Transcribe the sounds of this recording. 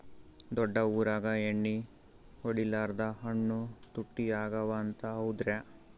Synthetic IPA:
d̪ɔɖːɐuːɾaːɡɐeɳːi | oɽilaːɾd̪ɐɦɐɳːut̪uʈːiaːɡɐʋɐːnt̪ɐɦɐwud̪ɾe

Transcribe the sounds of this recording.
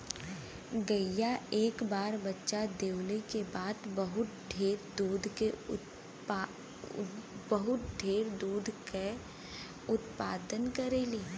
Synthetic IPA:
ɡəjaeːkbaːɾbɐtːʃad̪eːwlekebaːd̪bɐɦʊt̪̚ɖʱeːɾd̪uːd̪ʱkeʊ | bəɦʊt̪̚ɖʱeːɾd̪uːd̪ʱke | ʊt̪pa̰ːd̪ənkəɾeli

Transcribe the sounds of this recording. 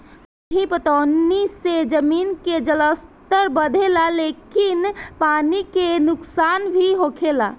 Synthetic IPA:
ipət̪onːised͡ʒəminked͡ʒələst̪əɾbəd̪ʱelalekinpanikenʊksanbʱiɦokʰela̰

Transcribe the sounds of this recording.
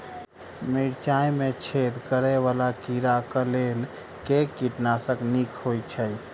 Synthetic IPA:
miɾt͡ʃajmet͡ʃʰed̪kəɾɛʋalakiɾakəlel | kekːiʈnasəknikʰhɦojt͡ʃʰəj

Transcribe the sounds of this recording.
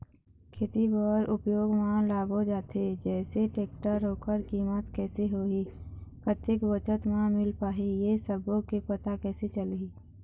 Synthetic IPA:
kʰeːt̪ibɔːɾʔʊpjoːɡmãlaːbod͡ʒaːt̪ed͡ʒɛːseʈeːkʈəɾːoːkəɾkiːmət̪kɛːseɦoːikət̪ɪkbət͡ʃət̪mãmɪlpaːɦijesəbõkepət̪akɛːset͡ʃəliː

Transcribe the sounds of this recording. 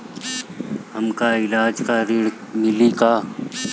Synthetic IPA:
hɐmkaɪlaːd͡ʒkaɾɪɽ | mɪlikaː

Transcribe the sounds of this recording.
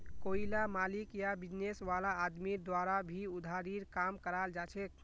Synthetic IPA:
koilamalikjabid͡ʒnesʋalaːd̪miɾd̪waɾabʱiud̪ʱaɾiɾkamkəɾald͡ʒat͡ʃʰɛk̚

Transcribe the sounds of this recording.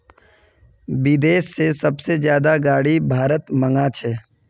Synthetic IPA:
bɪd̪eːʃsesɐbsezjaːd̪aɡaːɽibʱaːɾət̪mə̃ŋɡat͡ʃʰɛː

